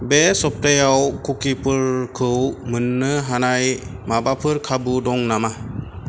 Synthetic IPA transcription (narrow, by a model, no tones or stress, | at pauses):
besɔp̚tajawkʰukipɯɾkʰɯwmɯnːɯɦanaj | mabapʰɯɾkʰabudɔŋnama